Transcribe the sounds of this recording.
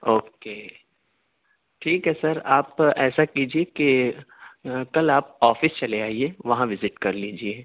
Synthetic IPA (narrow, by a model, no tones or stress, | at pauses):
oːkeː | ʈʰiːkɦɛsɐɾaːpɛːsakiːd͡ʒieke | kɐlaːp̚ɔːfɪst͡ʃɐleaːieʋɐɦãʋɪzɪʈkɐɾliːd͡ʒie